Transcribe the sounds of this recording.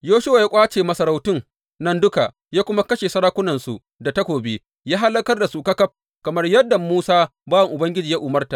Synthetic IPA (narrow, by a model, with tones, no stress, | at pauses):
joː˦ʃʊ˦wa˨ja˦kʷʼaː˦t͡ʃeː˨mɐ˦sɐ˦ɾa˦wtɪ˦ŋ | nɐ˦ndʊ˦ka˨ | jaː˦kʷʊ˦ma˦kɐ˦ʃeː˨sɐ˦ɾaː˦kʷʊ˦nɐ˨nsu˨ | da˨tɐ˦kʷoː˨beː˦ | jaː˦ɦa˦lːɐ˦kɐ˦rda˨su˨kɐ˦kɐ˦p̚ | kɐ˨mɐ˦rjɐ˦dːa˨muː˦saː˦baː˦wɐ˨ŋʔʊ˨bɐ˦ŋɡʲɪ˦d͡ʒiː˨ja˦ʔʊ˨mɐ˦rta˨ʔ